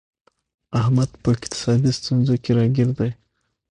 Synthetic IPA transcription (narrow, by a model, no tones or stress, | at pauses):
ahmad̪pəɪqt̪ɪ̥sɑd̪ist̪unzokʲeɾɑɡʲeɾd̪aj